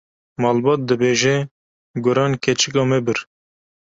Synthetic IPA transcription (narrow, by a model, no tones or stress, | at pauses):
mɑːlbɑt̪̚d̪ɨbeːʒɛ | ɡʊɾɑːnkʰɛt͡ʃɪkɑːmɛbɨɾ